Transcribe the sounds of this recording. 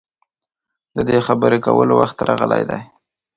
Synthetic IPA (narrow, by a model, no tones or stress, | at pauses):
d̪əd̪exabəɾekawəlowaxt̪ɾɑɣəlajd̪aj